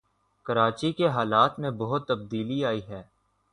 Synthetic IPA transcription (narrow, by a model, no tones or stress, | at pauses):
kɐɾaːt͡ʃikeɦaːlaːt̪mẽbɐɦʊt̪ːɐb̚d̪iːliaːiɦɛː